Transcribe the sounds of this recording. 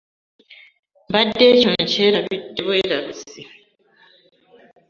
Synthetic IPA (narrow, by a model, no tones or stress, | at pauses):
mbadːeːcon̩ceːɾaβidːeβoeɾaβisi